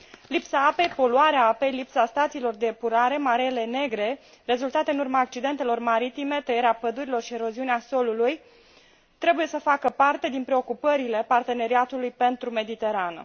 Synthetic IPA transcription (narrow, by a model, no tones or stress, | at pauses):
lipsaape̞jpo̞luaɾeaape̞jlipsast̪at̪silo̞rd̪e̞puɾaɾe̞maɾele̞ne̞ɡɾe̞ | re̞zult̪at̪e̞ɨnurmaːk̚t͡ʃid̪e̞nt̪e̞lo̞rmaɾit̪ime̞t̪əje̞ɾeapəd̪uɾilo̞rʃie̞ɾo̞ziuneaso̞luluj | t̪ɾe̞buje̞səfakəpart̪e̞d̪inpɾe̞o̞kupəɾile̞part̪e̞ne̞ɾiat̪ulujpe̞nt̪ɾume̞d̪it̪e̞ɾanə̰